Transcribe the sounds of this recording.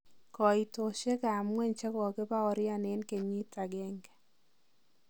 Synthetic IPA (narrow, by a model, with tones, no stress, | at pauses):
kɔ˨i˨to˨ʃe˦ka˨mwɛ˦˨ɲt͡ʃɛ˦kɔ˨ke˦pa˦ɔ˨ɾja˦ne˦nke˨ɲi˦ta˨ɡɛ˦ŋɡɛ˦